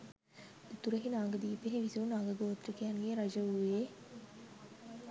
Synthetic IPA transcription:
ut̪uɾɐɦinaːŋɡɐd̪iːpeɦeʋisiunaːŋɡəɡoːt̪ɾɐkijanɡeːɾɐd͡ʒɐuje

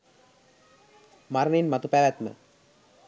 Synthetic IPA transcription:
maɾəɳinmat̪upæʋæt̪mə̰

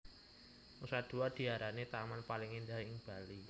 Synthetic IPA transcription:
usad̪̥ṳad̪̥i̤aɾanet̪amanpalɪŋindaɦɪŋb̥a̤li

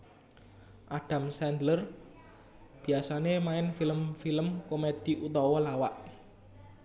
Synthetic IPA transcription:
ʔaɖ̥a̤msɛnd̪lər | b̥i̤asanemaɪnfiləmfiləmkomed̪̥i̤ʔut̪ɔwɔlawaʔ

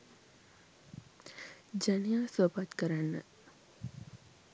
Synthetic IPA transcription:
d͡ʒanijaːsʋəpat̪kəɾanːə

